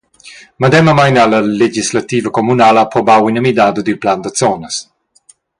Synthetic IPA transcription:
mad̪ɛməmajnaləled͡ʒislat̪iːvəkomunaːlapɾɔbawinəmid̪aːd̪əd̪ylpland̪ət͡sɔnəs

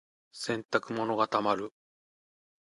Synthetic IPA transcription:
sẽ̞nt̪akɯ̟mo̞no̞ɡat̪amaɾɯ̟

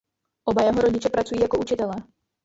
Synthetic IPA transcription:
ʔobajɛɦo̞ɾoɟɪt͡ʃɛpɾat͡sujiːjakout͡ʃɪt̪ɛlɛː

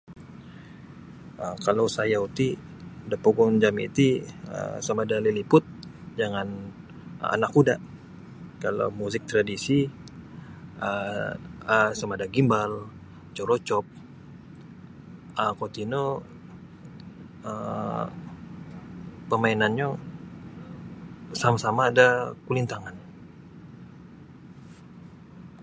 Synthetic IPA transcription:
əkalawsajaut̪i | dapoɡɔnd͡ʒamḭt̪iə̰samadalilipʊt̪̚ | d͡ʒaŋan | a̰nakuda | kala̰wmuzɪk̚t̪ɾadisi | ə | əsamadaɡimbal | t͡ʃoɾot͡ʃɔp̚ | ʔəkot̪ino | ə | pəmainanɲo | samasamaːdakulint̪aŋan

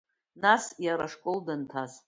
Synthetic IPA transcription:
nasjaɾaʂkʼoldɨntʰaz

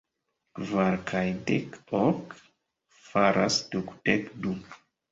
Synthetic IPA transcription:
kvaɾkʰajdekɔk | faɾasduktekduk

